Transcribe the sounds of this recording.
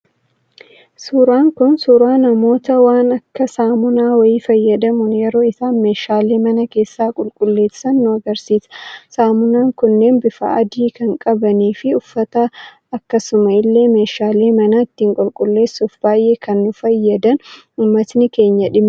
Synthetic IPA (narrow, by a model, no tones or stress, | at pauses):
suːɾaːŋkʊnsuːɾaːnɐmo̞ːt̪ɐwaːnɐkːɐsaːmʊnaːwɐiːfɐjːɐd̪ɐmʊnjɛɾo̞ːɪsaːnme̞ːʃaːle̞ːmɐnɐke̞ːsːaːkʼʊlkʼʊlːe̞ːsɐnːʊɐɡɐɾsiːsɐ̥saːmʊnaːŋkʊnːe̞ːnbɪfa̰ɐd̪iːkɐŋkʼɐbɐniːfɪʊfːɐt̪ɐː | kːɐsʊmɐɪlːe̞ːme̞ːʃaːleːmɐnaːɪt̪ːiːŋkʼʊlkʼʊlːe̞ːsːufb̥aːjʔe̞ːkʰɐnːʊfɐjːɐd̪ɐn | uːmːɐt̪nɪke̞ːɲːɐᶑɪm